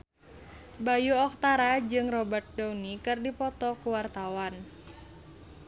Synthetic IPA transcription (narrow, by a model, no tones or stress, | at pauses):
bajuɔk̚t̪aɾad͡ʒɨŋrɔbat̪̚dawnikɨrdipɔt̪ɔkuwart̪awan